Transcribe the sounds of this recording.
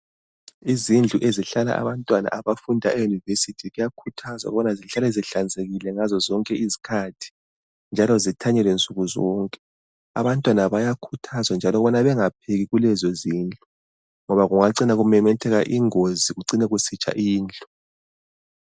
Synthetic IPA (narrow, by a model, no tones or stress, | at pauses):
izind͡ɮʱuʔeziɬala̰ʔa̰βantʼwana̰ʔaβafundʱaɛjunivesitʰiɣujakʰutʰazwa̰ɣuβɔnaziɬalɛziɬand͡zʱeɣilɛŋazɔzɔŋkʼɛizi̥kʰatʰi̥ | nd͡ʒʱalɔzitʰaɲɛlwɛnt͡sʼuɣuzɔːŋkʼɛ̥ | a̰βantʼwanaβajakʰutʰazwand͡ʒʱalɔɣuβɔnaβɛŋap̚ʰeɣiɣulɛzɔziːnd͡ɮʱu | ŋɔβaɣuŋaǀinaɣumɛmɛtʰɛɣaʔiŋoziɣuǀinɛɣusit͡ʃʼa̰ʔiːnd͡ɮʱɔ